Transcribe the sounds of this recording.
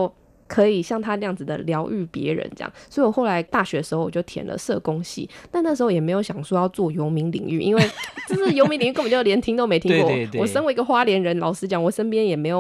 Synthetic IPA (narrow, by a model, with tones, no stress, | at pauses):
o˥˩ʊ | kʰɤ˧˥i˨˩ɕjɑ˥˩ŋt̪ʰa˦˥nə˥jɑ˥˩ŋd͡z̩˨˩d̪ə̰˩ljɑ˧˥ʊʔy˥˩pjɛ̰˧˥ɻə̰˧˦nʈ͡ʂjɑ̰˥˩˨ŋswɔ˧˥i˨wɔ˨˩xo˥˩ʊla˧˦ɪt̪a˥˩ɕɥɛ˧˥d̪ə˩ʂɻ̩˧˥o˧ʊwɔ˨˩t͡ɕjo˥˩ʊt̪ʰjɛ̰˨˩nlə̰˨˦ʂɤ˥˨˩kʊ˦ŋɕḭ˥˨na˥˧n˥˩ʂ̬̩˧˥xo˥˩jɛ˨˩m˧˥ɪjo˧˥ʊɕjɑ˨˩ŋʂwɔ˥˧jɑ˥˧ʊt͡swɔ˥˩jo˧˥ʊmi˧˥ŋlḭ˨˩˦ŋy˥˨ʔḭ˥nwe˥˩ɪʈ͡ʂə˥˧ʂɻ̩˥˩jo˧˥mi˧˥ŋli˨˩ŋy˥˧˥t͡ɕjɛ˧˥nt̪ʰi˥ŋt̪o˥ʊme˧˥ɪt̪ʰi˥ŋkɔ˥˩wɔ˨˩ʂə˥nwi˧˥ɡə˨˩xwa˥ljɛ˧˥nɻə˧˦nlɑ˨˩ʊʂɹ̩˥t͡ɕjɑ˨˩ŋwɔ˨˩ʂə˥npjɛ˥njɛ˨˩me˧˥ɪjo˨˩